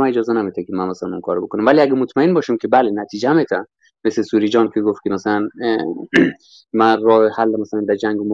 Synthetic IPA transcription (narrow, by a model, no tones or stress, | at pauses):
mæned͡ʒɒːzenæmit̪ʰækʲʰemænmæsælænunkʰɒːɾobekʰonæmvæliæɡæmot̪ʰmæenbɒːʃimkʲʰebælenæt̪ʰiːd͡ʒeæmet̪ʰæn | meslesuːɾid͡ʒɒːnkʰʲeɡoft̪̚kʰemæsælæn | mærɒːhehælːæmæsælænd̪æɾd͡ʒæŋɡemo